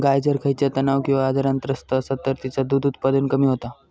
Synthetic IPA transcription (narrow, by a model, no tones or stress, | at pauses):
ɡajd͡zəɾkʰəjt͡ɕjat̪ənaʋkĩw̃ʋaːd͡zaɾant̪əɾəst̪əːsat̪əɾt̪it͡sad̪uːd̪ut̪pad̪ənkəmiːɦot̪a